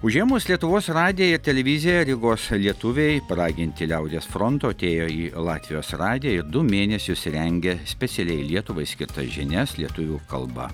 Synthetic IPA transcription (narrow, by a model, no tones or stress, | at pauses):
ʊʒʲiɛmʊːslʲiɛt̪ʊʋoːsɾɑːd̪ʲɪjɛɪɾt̪ʲɛlʲɛʋʲɪzʲɪjɛɾʲɪɡoːslʲiɛt̪ʊʋʲɛɪpɐɾɑːɡʲɪnʲt̪ʲɪlʲɛʊd̪ʲeːsfɾɔnt̪oːɐt̪ʲeːjoːiːlˠɑːt̪ʲʋʲɪjoːsɾɑːd̪ʲɪjɛɪɾd̪ʊmʲeːnʲɛsʲʊsɾʲɛŋʲɡʲɛsʲpʲɛsʲɛlʲɛɪlʲiɛt̪ʊʋɐɪsʲkʲɪ̰ɾt̪ɐ̰ʒʲɪnʲɛslʲiɛt̪ʊʋʲuːkɐ̰lˠbɐ̰